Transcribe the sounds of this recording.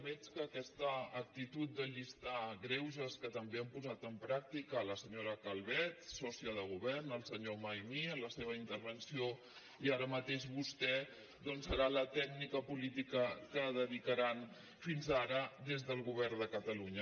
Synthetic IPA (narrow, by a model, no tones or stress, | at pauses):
mɛt͡skəːkɛst̪əːk̚t̪it̪ut̪̚d̪əʎist̪aɣɾɛwʒəskət̪əmbeəmpuzat̪əmpɾak̚t̪ikələsəɲoɾəkəlˠβɛt̪sɔsiəð̞əɣ̞uβɛrnəlˠsəɲomajmiənləseβ̞əint̪əɾβənsio | iaɾəmət̪eʒβust̪ɛ | d̪ɔnsəɾalət̪ɛɡ̚nikəpulit̪ikəkəðəðikəɾan | finzaɾəd̪ezðəlˠɣuβ̞ɛrnd̪əkət̪əluɲə